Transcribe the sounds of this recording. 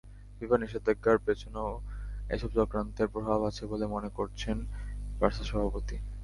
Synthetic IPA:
bibaniʃod̪eɡːaɾpet͡ɕʰonoḛʃɔb̚t͡ɕɔkɾant̪eɾpɾobʱabat͡ɕʰebolemonekoɾt͡ɕʰenbaɾt̪ʰaʃɔbʱapot̪i

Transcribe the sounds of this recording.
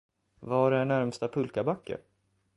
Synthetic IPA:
vaɖɛæɳæɾmst̪apʰɵlkabakʰːə̰ɾ

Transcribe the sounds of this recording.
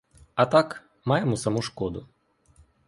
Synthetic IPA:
ɐt̪ɑk | mɑjemɔsɐmuʃkɔd̪ʊ

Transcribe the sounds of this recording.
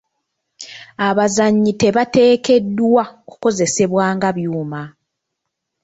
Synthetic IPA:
aβazaɲːite̞βate̞ːke̞dːwaoku̥ko̞ze̞se̞βwaːŋɡaβjuːma

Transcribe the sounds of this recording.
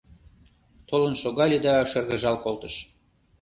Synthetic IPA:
t̪olə̆nʃoɣɑlʲid̪ɑʃɤ̆rɣɤ̆ʒɑlkolt̪ɤ̆ʃ

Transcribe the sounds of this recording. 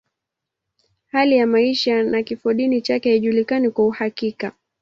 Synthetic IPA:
halijamaiʃanakifɔɗinit͡ʃakɛhaiʄulikanikwauhakika

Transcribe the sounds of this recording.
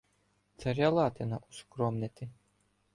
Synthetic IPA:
t̪saɾʲalˠaːt̪ʲɛnaʔuskɾɔmnʲɛt̪ʲi

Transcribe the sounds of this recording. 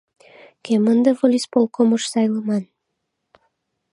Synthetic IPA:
kemə̆nd̪ɤvolʲispolˠkomoʃsɑjlˠɤmɑn

